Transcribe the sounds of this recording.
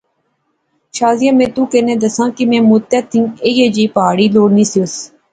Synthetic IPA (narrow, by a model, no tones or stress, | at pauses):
ʃaːzijãːmẽːt̪uːkenẽːd̪əsãːkimẽːmut̪ːat̪ʰːĩːeːjeːd͡ʒiːpaːɽiːloːɽnĩːsiʊs